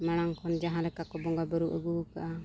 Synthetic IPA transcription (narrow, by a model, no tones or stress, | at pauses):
maɽ̃aŋkʰɔnd͡ʒaɦãlɛkakɔbɔŋɡabəɾuʔəɡuka̰ʔa